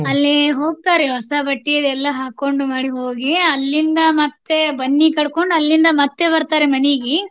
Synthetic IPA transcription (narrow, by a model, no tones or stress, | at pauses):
ɐlːiɦo̞ːɡ̚t̪aːɾeɦɔsɐbɐʈːijɐd̪ɛlːɐɦaːkːoɳɖumaːɽiɦoːɡiɐlːind̪ɐmɐt̪ːebɐnːikɐɽko̞ɳɖɐlːind̪ɐmɐt̪ːebɐɾt̪aːɾemɐniɡi